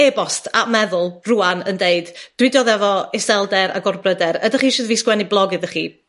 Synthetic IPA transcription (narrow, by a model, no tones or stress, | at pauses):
ɛbɔstʰaʔmɛðʊlˠruːanəndeɨdd̥wɪdjɔðɛvɔɪsɛlˠdɛɾa̰ɡɔrbrədɛɾədaχiːʃɨːðviːskwɛniblˠɔɡɨðəχḭː